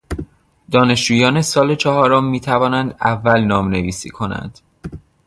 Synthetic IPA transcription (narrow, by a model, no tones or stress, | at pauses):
d̪̥ɒːne̞ʃd͡ʒuːjɒːne̞sɒːle̞t͡ʃʰɒɦɒːɾomːiːt̪ʰævɒːnænd̪ævːælnɒːmne̞viːsḭːkʰo̞næ̰nd̪̥